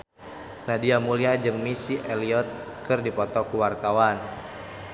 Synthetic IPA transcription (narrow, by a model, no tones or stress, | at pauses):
nadiamuliad͡ʒɨŋmisiʔɛliɔt̪̚kɨrdipɔt̪ɔkuwart̪awan